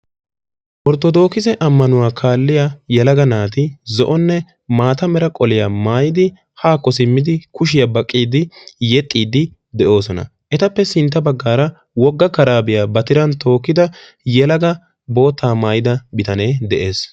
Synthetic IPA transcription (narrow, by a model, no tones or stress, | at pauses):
ʔɔɾt̪ɔd̪o̞ːkɪzɛʔɐmːɐnʊwaːkʰaːlːɪjajɛlɐɡɐnaːt̪ɪzɔʔɔnːɛ | maːt̪ɐmɛɾɐkʼɔlɪjamaːjɪd̪ɪ | haːkːɔs̬ɪmːɪd̪ɪkʊʃ̬ɪjɐbɐkʼːiːd̪ɪjɛt̪ʼːiːd̪ɪ | d̪ɛʔo̞ːsɔnɐ̰ | ʔɛt̪ɐpːɛsɪnt̪ːɐbɐɡːaːɾɐ | wɔɡːɐkɐɾaːbɪjaːbɐt̪ɪɾɐnt̪o̞ːkːɪd̪ɐ | jɛlɐɡɐ | bo̞ːt̪ːaːmaːjɪd̪ɐbɪt̪ɐne̞ːd̪ɛʔe̞ːs